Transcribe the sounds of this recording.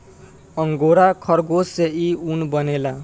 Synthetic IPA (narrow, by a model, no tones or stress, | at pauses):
ʌŋɡoɾakʰʌɾɡoseiunbʌnela